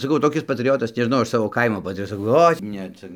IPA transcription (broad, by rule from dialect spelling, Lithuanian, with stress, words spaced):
sɐˈkɐʊ toːˈkʲɪs pɐtʲrʲɪˈjoːtɐs nʲɛʒʲɪˈnɐʊ ˈɐʃ ˈsɑːʋoː ˈkɐɪmoː pɐtʲrʲɪˈjoːtɐs sɐˈkɐʊ ˈoːɪ ˈnʲɛ ˈt͡sʲɛ